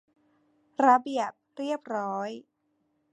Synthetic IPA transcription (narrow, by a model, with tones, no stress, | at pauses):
ɾa˧bi˨˩əp̚ɾi˥˩əp̚ɾɔː˦˥j